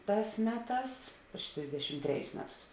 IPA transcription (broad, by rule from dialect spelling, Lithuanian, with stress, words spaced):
ˈtɑːs ˈmʲæːˌtɑːs pʲrʲɪʃ ˈtʲrʲɪzʲdʲɛʃʲɪm ˈtʲrʲæːˌjʊs ˈmʲæːˌtʊs